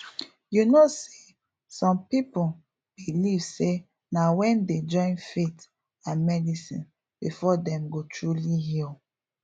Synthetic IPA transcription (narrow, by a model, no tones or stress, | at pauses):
junose | sɔ̃mpipu | b̥ilivse | nawɛ̃nded͡ʒɔ̃ɪ̃nfet | ãnmɛdisĩn | b̥ifɔdɛ̃mɡotʰɹulihil